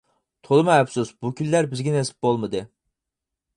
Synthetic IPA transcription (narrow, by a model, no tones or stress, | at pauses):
t̪ʰolˠɨmhɛpsusbukʲyllæɾbɪzɡʲinɛesɪ̥p̚bolˠmɨd̪ɨ